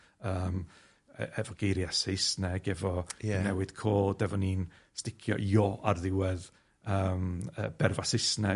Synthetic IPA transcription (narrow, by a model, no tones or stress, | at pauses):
əːm̰ | ɛvɔɡ̥ejɾjasesnɛɡɛvɔɛnɛwɨd̥kʰoːdɛvɔnin | stɪkʰjɔ̰joʔarðɪwɛð | əːmə̰ːb̥ɛrvasɪsnɛ